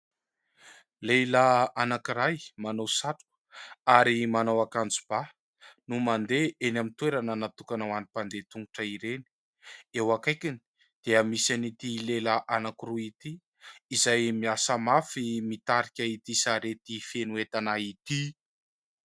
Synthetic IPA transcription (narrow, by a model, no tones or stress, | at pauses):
lelaanakiɾajmanowsaʈ͡ʂu̥ | aɾimanawakand͡zub̥a | numand̪eʔenamint̪weɾanənat̪ukanawanipand̪et̪uŋɡuʈ͡ʂəiɾeni̥ | ewakajkʲini̥ | d̪̥eəmisanit̪ileləʔanakiruit̪iː | zajmiasəmafimit̪aɾikʲait̪isaɾet̪ifenuet̪anait̪i